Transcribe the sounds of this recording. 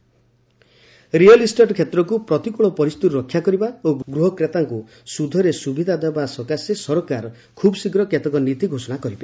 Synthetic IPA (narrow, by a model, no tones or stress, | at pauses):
ɾiɔlisʈɔʈkʰjet̪ɾɔkupɾɔt̪ikuɭɔpɔɾist̪uɾuɾɔkʰːjakɔɾibaoɡɡɾuɦɔkɾet̪aŋku | sud̪ʱɔɾesubid̪ʱad̪abasɔkasesɔɾɔkaɾ | kʰubɔsikɾɔket̪ɔkɔnit̪iɡʱosɔnakɔɾibe